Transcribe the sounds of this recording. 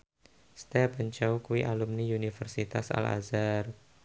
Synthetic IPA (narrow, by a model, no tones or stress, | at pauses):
st̪ɛpəɲt͡ʃawkuwiʔalumniunifərsit̪a̰sa̰la̰zar